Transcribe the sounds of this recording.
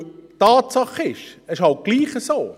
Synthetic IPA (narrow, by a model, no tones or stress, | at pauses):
tɑːtsɑχɪʃɛʃhɑlt̚ɡ̥liːχəsoː